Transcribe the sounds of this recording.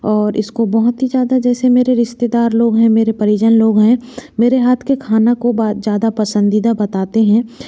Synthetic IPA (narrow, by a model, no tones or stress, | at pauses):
ɔːɾɪskobɐɦʊt̪ɦid͡ʒjaːd̪ad͡ʒɛːsemeːɾeɾɪʃt̪ed̪aːɾloːɡɦɛ̃meːɾepɐɾɪd͡ʒənloːɡɦɛ̃meːɾeɦaːt̪ʰkekʰaːnakobaːt̪d͡ʒjaːd̪apɐsə̃nd̪id̪abɐt̪aːt̪eɦɛ̃ː